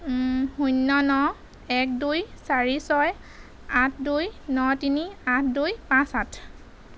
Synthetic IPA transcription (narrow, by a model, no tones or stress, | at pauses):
hunːɔnɔ | ɛk̚dujsaɹisɔj | ãtʰdujnɔtiniãtʰdujpãsatʰ